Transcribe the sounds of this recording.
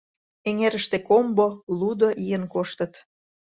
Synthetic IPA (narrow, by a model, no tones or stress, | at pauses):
eŋeɾəʃt̪ekombolud̪oʔijənkoʃt̪ə̆t̪